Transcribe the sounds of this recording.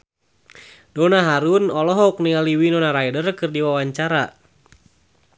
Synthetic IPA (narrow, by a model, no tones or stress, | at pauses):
dɔnaɦaɾunɔlɔɦɔk̚nialiwinɔnaɾajdərkɨrdiwawaɲt͡ʃaɾa